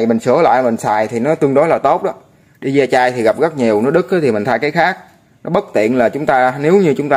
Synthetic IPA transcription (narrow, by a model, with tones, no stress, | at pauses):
jmï˨˩ŋ̟sɨ˨˧˩əla̰ː˧˨jmï˨˩ŋ̟saː˨˩jt̪ʰi˨˩nɔ˨˦t̪ɨ˧əŋnɗo˨˦laː˨˩t̪o˦˥t̚ɗɔ˨˦ | ɗi˧zaː˧t͡ɕaː˧jt̪ʰi˨˩ɣa˨˩p̚ɣə˦˥k̚ɲi˨˩əwnɔ˨˦ɗɨ˦˥k̚ʔt̪ʰi˨˩mï˨˩ŋ̟t̪ʰaː˧jkaː˨˦jxaː˦˥k̚ | nɔ˨˦ɓə˦˥t̚t̪ḭ˧˨ənlaː˨˩t͡ɕʊ˨˦ŋ͡mt̪aː˧ne˨˦wɲɨ˧t͡ɕʊ˨˦ŋ͡mt̪aː˧